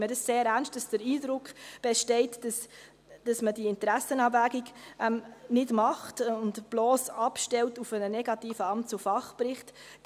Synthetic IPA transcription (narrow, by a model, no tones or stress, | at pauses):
miədɑsseːɾænʃt̚d̥ɑsd̥əɾiːdɾʊkχb̥ɛʃtɛɪtds | d̥ɑsmədiɪntəɾæsənɑbvæːɡiɡʔɛmnɪdmɑχtʊndb̥loːsɑpʃtɛltufənənɛɡɑtiːfəɑmt͡sufɑχpɾɪχt